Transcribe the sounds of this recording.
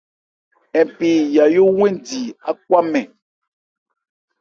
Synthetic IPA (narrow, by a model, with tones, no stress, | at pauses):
ɛ̃˨pe˨ja˨jo˦wɛ̃˦ndi˨a˦k̚wa˦mɛ̃˨